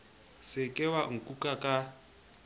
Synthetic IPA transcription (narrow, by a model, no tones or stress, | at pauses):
sɪkʼɛwaŋ̩kʼukʼakʼa